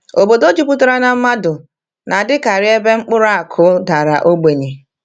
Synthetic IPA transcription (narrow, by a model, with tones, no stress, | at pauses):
o˨bo˨do˦d͡ʒu˦pu˦tʊ˦ɾa˦na˨m̩˦ma˦dʊ˨ | na˨dɪ˦ka˨ɾɪ˦e˦be˦ŋ͡m̩˦k͡pʊ˦ɾa˦a˨kʰʊ˦da˨ɾa˨ʔo˦ɡ͡be˨ɲe˨